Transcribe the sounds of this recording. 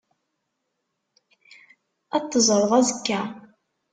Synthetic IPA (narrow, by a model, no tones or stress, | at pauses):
ɑt̪ːəzˤəɾˤðˤæzəkːæ